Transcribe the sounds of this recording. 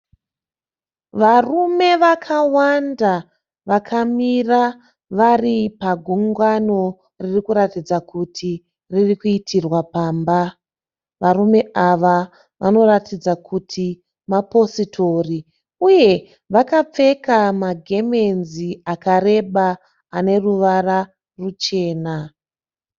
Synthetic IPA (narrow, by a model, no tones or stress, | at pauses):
ʋarume̞ʋakʰawanda | ʋakʰamira | ʋaripaɡʱuŋɡano̞ | ririkuɾatid͡zakutʰi | ririkuitʰirwapaːmba | ʋarume̞aʋa | ʋa̰no̞ratid͡zakʰutʰi | mapo̞sitʰo̞ri | uje̞ | ʋakap͡fe̞kamaɡʱe̞me̞nziakaɾe̞ɓaː | ne̞ruʋara | rut͡ʃe̞ːna